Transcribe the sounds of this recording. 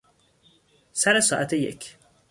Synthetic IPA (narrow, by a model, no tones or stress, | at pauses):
sæɾesɑːʔæt̪ʰejḛkʰ